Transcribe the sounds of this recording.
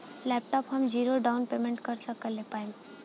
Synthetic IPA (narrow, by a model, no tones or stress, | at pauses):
lɛːp̚ʈɔːpɦɐmd͡ʒiːɾoɖaʊnpeːmẽɳʈkɐɾsɐkəlːepaːẽ